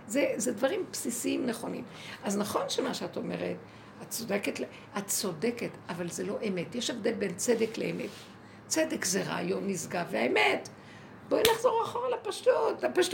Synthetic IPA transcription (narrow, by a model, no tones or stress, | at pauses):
zezedvaʁimpsisiimneχo̞nḭm | ʔaznaχo̞nʃemaʃeato̞mḛʁḛt | att͡so̞deketl | att͡so̞deketʔavalzelo̞ʔemetjeʃevd̪elbent͡sed̪ekleemḛt | t͡sed̪ekzeʁa̰jonizɡaveaemet | boinaχzo̞ʁaχoʁalapaʃtutapaʃt